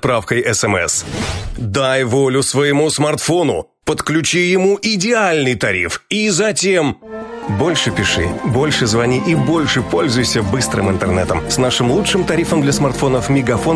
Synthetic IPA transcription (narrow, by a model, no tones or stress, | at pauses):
pɾafkəjʔɛsɛmɛ̰sd̪ajvo̞lʲʊsvəjɪmusmɐrt̪fo̞nʊ̰ | pət̪klʲʉt͡ɕijɪmuʔɪdʲɪalʲnɨjt̪ɐɾʲḭfizɐtʲe̞mbo̞lʲʂɨpʲɪʂɨ̰bolʲʂɨzvɐnʲiʔibo̞lʲʂɨpo̞lʲzʊjsʲəbɨst̪ɾɨ̰mɪ̰nt̪ərnɛ̰t̪əmsnaʂɨmlˠutʂɨmt̪ɐɾʲifəmd̪lʲɐsmɐrt̪fo̞nəfmʲɪɡɐfo̞